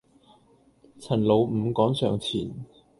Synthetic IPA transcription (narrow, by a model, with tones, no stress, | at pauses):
t͡sʰɐ˨˩nlo˨˧wm̩˨˧kɔː˨˥ŋsœː˨˩ŋt͡sʰḭː˨˩n